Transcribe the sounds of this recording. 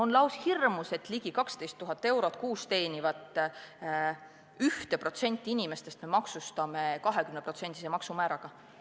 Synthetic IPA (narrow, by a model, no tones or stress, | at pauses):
o̞nlɑwshirmuse̞t̪ːˑliɡ̥ikɑkst̪e̞jst̪ːuɦɑt̪ːe̞wɾo̞t̪̚kuːst̪e̞ːnʲivɑt̪ˑ | yht̪e̞pro̞t̪se̞nʲt̪ʲːˑiinʲime̞st̪est̪memɑksust̪ɑme̞kɑɦe̞kymnepro̞t̪se̞nʲd̪̥ʲisemɑksumæːɾɑɡ̥ɑ